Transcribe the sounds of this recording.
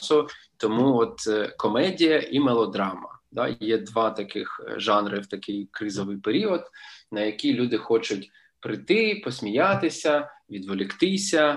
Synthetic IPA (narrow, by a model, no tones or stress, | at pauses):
sʊt̪ɔmuɔt̪kɔmɛdʲijɐʔimɛlˠɔd̪ɾɑmɐ̰d̪ɑ̰jɛd̪ʋɑt̪ɐkɪxʒɑnɾɪwt̪ɐkɪjkɾɪzɔʋɪjpeɾʲiɔd̪nɐjɐkʲijlʲud̪ɪxɔt͡ʃʊtʲ | pɾɪt̪ɪpɔsʲmʲijɑt̪ɪsʲɐʋʲid̪ʋɔlʲɪxt̪ɪsʲɐ